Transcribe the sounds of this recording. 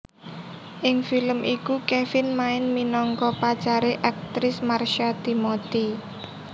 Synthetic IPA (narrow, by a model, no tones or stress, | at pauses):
ʔɪŋfiləmʔikukefɪnmaɪnminɔŋkɔpat͡ʃaɾeʔak̚t̪ɾɪsmarʃat̪imot̪i